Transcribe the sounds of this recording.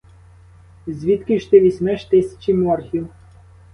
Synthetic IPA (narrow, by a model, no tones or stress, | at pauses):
zʲʋʲit̪kʲiʃt̪ɪʋʲisʲmɛʃt̪ɪsʲɐ̥t͡ʃimɔrxʲiw